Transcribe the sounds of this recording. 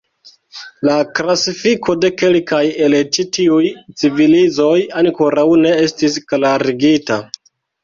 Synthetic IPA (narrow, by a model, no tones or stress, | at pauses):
laklasifikʰo̞de̞ke̞lkaje̞let͡ʃitiujt͡sivilizo̞jaŋkoɾawne̞e̞stisklaɾiɡita̰